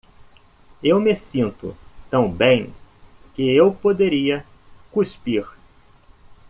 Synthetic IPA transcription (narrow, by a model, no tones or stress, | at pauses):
ewmesĩnt̪ʊ̰t̪ɐ̃w̃bẽj̃kɪewpod̪eɾiɐ | kuspiɾ